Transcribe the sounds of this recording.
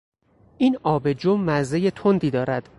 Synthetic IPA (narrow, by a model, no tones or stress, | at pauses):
ʔiːnɒːbe̞d͡ʒomæzeje̞t̪ʰond̪iːd̪ɒːɾæd̪̥